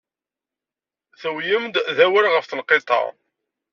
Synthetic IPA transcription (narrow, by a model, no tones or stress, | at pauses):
θəwjəmd̪ðæwəɾʁəfθəlqet̪ˤɑ̰